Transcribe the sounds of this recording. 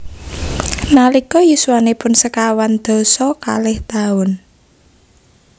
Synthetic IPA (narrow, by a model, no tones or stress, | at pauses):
nalikɔjusuwanepʊnsəkawand̪̥o̤sɔka̰lɪht̪aʊn